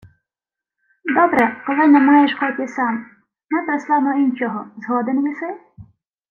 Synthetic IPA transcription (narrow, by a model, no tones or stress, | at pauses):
d̪ɔbɾɛkɔlˠɪnemɑjeʃxɔtʲisɑm | mɪpɾeslˠɑmɔint͡ʃɔɦɔzɦɔd̪ɪnʋʲisɪ